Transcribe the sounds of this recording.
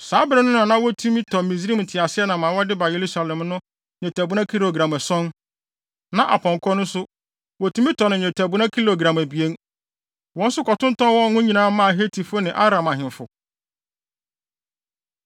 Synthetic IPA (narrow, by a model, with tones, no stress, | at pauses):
saː˨˦bɪ˦ɾɪ˦nʊ̃˦n˦ã˨nã˦wɔ˦tʰu˦mĩ˦tʰɔ˨mĩ˨s̬ɾi˦m˨tʰɪ˨a˨sɪ˦ɛ˦nã˨mã˨˦wɔ˦dɪ˦ba˨je˨ɾu˦sa˨lɛ̃˨mnʊ̃˦ | ɲɛ̃˨tʰæ˨bu˦nã˦kʰi˦ɾo˨ɡɾã˨mæ˨sɔ̃˦n | nã˨ʔa̰˨pʰɔ̃˨ŋ˨kʰɔ˦nʊ̃˦sʊ˦ | wɔ˨tʰu˦mĩ˦tʰɔ˨nɪ̃˨ɲ˨ɛ̃˨tʰæ˨bu˦nã˦kʰi˦lo˨ɡɾã˨mæ˨bi˨e˦n | wɔ̃˦n˦sʊ˦kɔ˨tʊ̃˦n˦tɔ̃˦nwɔ̃˦ŋʊ̃˦ɲĩ˨nãː˦mã˦˨ɦe˦tʰi˨fʊ˦nɪ̃˨ʔa˦ɾã˨mã˨ɦɪ̃˨ɱ˨fʊ˨